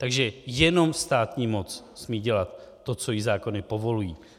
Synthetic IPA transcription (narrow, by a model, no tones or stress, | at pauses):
t̪aɡʒɛjɛno̞mst̪aːt̪ɲiːmo̞t͡s | smiːɟɛlat̪ː | o̞t͡so̞jɪzaːko̞nɪpo̞vo̞lujiː